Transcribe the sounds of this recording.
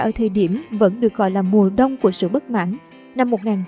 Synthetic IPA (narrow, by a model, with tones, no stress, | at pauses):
ʔəː˧˦t̪ʰəː˨˩ɗi˧˩əmvə̰˧˥nɗɨ˨˩ək̚ɣɔ̰˧˨jlaː˨˩mu˨˩əɗə˧wŋ͡mku˧˩əsɨ̰˧˨ɓə˦˥t̚ma̰ː˧˥n | na˧mːo˨˩t̚ŋaː˨˩n